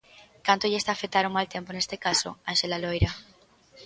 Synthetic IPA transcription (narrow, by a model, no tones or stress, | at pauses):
kant̪oʎest̪aːfet̪aɾomalt̪emponest̪ekaso̰anʃelalojɾa